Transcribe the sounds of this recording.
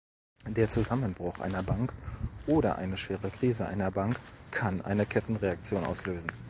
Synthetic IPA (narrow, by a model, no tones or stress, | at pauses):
d̥eːɐt͡suzamənbʁʊxʔa̰ɪnɐbaŋkʔoːɾɐ̰ʔa̰ɪnəʃv̥eːʁəkʁ̥iːzəʔa̰ɪnɐbaŋkʰːanʔa̰ɪnəkʰɛtn̩ʁeak̚t͡sjoːnʔa̰ʊsløːzn̩